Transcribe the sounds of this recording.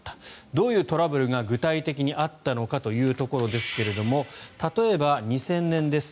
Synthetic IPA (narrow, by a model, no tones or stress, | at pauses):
t̪ːḁd̪o̞ːjɯ̟ːt̪o̞ɾabɯ̟ɾɯ̟ɡaɡɯ̟t̪ait̪e̞kʲiɲ̟iʔat̪ːano̞kat̪o̞jɯ̟ːt̪o̞ko̞ɾo̞d̪e̞sɨ̥ke̞ɾe̞d̪o̞mo̞t̪at̪o̞e̞baɲ̟isẽ̞nːẽ̞nd̪e̞sɨ̥